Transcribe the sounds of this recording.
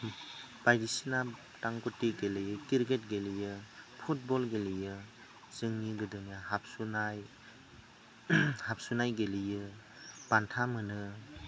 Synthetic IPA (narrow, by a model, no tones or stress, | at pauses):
b̥ajdisina | taŋkutːiɡelɯjɯkiɾɡet̚ɡelijɯpʰut̚bɔlɡelijɯ | zɯŋniɡɯdɯŋjaɦap̚sunaj | hap̚sunajɡelijɯ | b̥antʰamɯnɯ